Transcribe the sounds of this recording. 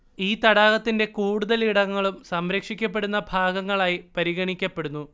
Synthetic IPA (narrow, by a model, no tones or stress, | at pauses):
iːt̪ɐɽaːɣɐt̪ːinde̞kuːɽuðɐliɽɐŋːɐɭumsɐmɾɐkʂikʲːɐp̬ːe̞ɽunːɐbʱaːɡɐŋːɐɭaːjipɐɾiɣɐɳikʲːɐpːe̞ɽunːu